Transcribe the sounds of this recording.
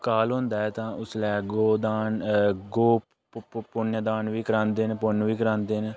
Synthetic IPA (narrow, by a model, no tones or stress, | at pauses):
kaːlɦõːnd̪aːɛːt̪ãːʊslɛːɡoːd̪aːnɡoː | pʊnəd̪aːnʋiːkəɾãːnd̪eːnpʊnːʋiːkəɾãːnd̪eːne